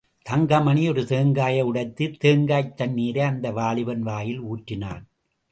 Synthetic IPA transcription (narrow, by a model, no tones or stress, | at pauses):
t̪ɐŋɡɐmɐniɔɾɯt̪eːŋɡaːjɐɯɽɐɪt̪ːɯt̪eːŋɡaːjt̪ːɐnːiːɾɐɐnd̪ɐʋaːlɪʋɐnʋaːjɪluːʈrɪna̰ːn